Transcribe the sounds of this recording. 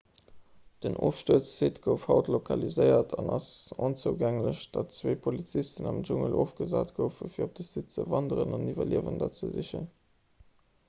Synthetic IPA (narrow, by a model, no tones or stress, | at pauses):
d̥ənʔoːfʃtuət͡st͡seːtɡ̥əʊfhɑʊtlokʰɑlizəɪɐtʰɑnɑsont͡suːɡæŋləɕd̥ɑtt͡sweːpʰolit͡sistənɑmʒuŋəlʔoːfɡ̥əzaːtɡ̥əʊfəfiːɐop̚d̥əsitt͡səvɑndəʁənɑnivɐliəvəndɑt͡səzəɕə̰n